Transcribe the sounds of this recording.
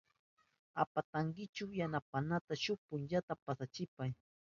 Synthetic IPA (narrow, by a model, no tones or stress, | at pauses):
a̰pat̪aŋɡɪt͡ʃawjanapanat̪aʃʊpʊnʎat̪apasat͡ʃɪpaj